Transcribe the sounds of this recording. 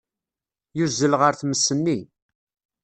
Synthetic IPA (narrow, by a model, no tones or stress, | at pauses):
juzːəlʁəɾθməsːənːi